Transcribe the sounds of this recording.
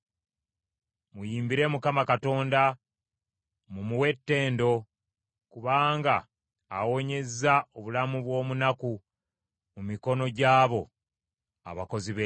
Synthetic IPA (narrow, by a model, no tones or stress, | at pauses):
mujiːmbiɾe̞mukamakato̞ːnda | mumuwe̞tːe̞ːndo̞ | kuβaːŋɡaː | wo̞ɲe̞zaoβulamuβwo̞ːmunaku | mumiko̞no̞ɟaːβo̞ | a̰βako̞ziβe